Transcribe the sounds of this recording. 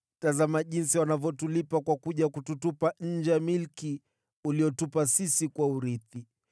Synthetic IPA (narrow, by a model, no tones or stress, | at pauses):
tazamaʄinsiwanavjɔtulipakwakuʄakututupaɲ̩d͡ʒɛmilki | uliɔtupasisikwauɾiθi